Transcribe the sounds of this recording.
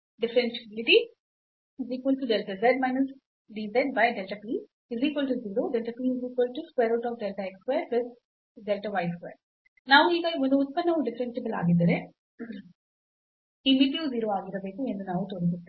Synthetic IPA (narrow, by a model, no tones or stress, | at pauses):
ɖɪfɾensebɪliʈi | iziːkʋɐlʈuɖɛlʈɐzeɖ̚maɪnɐs | ɖiːzɐjɳɖbajɖɛlʈɐpiː | iziːkʋɐlʈuziːɾoːɖelʈɐpiːiziːkʋɐlʈuskweːɾaːʈɔːfɖɛlʈɐekskweːɾʋɪd̪̚ | ɖɛlʈɐʋajskʋeːɾ | naːʋuiːɡɐiɔnd̪uut̪̚pɐnːɐʋuɖɪfɾensibɐla̰ːɡid̪ːɐɾe | imiʈiuziːɾoːaːɡiɾɐbeːkue̞nd̪unaːʋut̪oːɾisut̪ːe̥